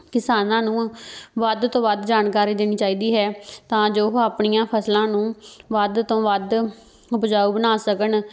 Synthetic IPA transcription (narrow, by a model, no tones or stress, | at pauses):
kɪsaːnãːnũːʋəd̪t̪õːʋəd̪d͡ʒaːnkaːɾiːd̪eːniːt͡ʃaːiːd̪iːɦɛːt̪ãːd͡ʒoːɦaːpɳijãːpʰəslãːnũːʋəd̪t̪õːʋəd̪ | ʊpd͡ʒaːuːbənaːsəkən